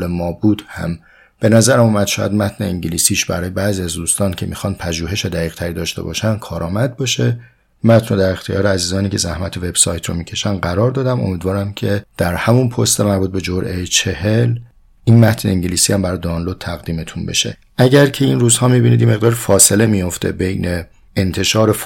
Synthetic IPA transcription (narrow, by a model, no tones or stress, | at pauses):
lemɒːbuːd̪̥hæ̰m | b̥e̞næzæɾæmuːmæd̪̥ʃɔːjæ̰d̪mæt̪ʰne̞iɲɟiliːsiːʃbæ̰ɾɒːjebæːziːæzd̪uːst̪ɒːncʰe̞miːxɒnd̥̪̚pʰæʒuːɦe̞ʃed̪æɣiːɣ̥t̪ʰæɾiːd̪ɒːʃt̪ebɒ̰ːʃænkʰɒːɾʔɒːmæd̪̚bɒːʃe̞ | mæt̪ʰnod̪æɾe̞xt̪ʰijɒ̰ːɾeæziːzɒːniːkcʰe̞zæhmæt̪ʰe̞ve̞b̥sɒːjt̪ʰɾo̰miːcʰe̞ʃænɢæɾɒːɾd̪ɒːd̪æmo̰miːd̪vɒːɾæmcʰe̞d̪̥æɾhæmunpʰost̪emæɾbuːt̪̚be̞d͡ʒoɾʔe̞jet͡ʃʰe̞hel | ʔiːnmæt̪ʰne̞iŋɟiliːsiːhæmbæɾɒːjed̪onlod̪̥̚t̪ʰæɣd̪iːme̞t̪ʰunbe̞̰ʃe̞̰ | ʔæɟæɾcʰe̞inɾuːzhɒːmibinid̪jeme̞ɣd̪ɒːɾifɒːse̞le̞mijo̞ft̪ʰe̞̰be̞jne̞ː | nt̪ʰe̞ʃɒːɾe